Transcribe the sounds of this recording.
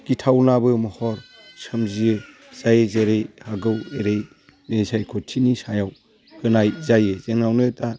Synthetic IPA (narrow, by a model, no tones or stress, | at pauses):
kitʰawnabɯmɔhɔɾ | sɯmziɯ | z̥ajezeɾejhaɡɯweɾej | mesajkʰɔtʰinisajaw | hɯnajzajezeŋnawnɯta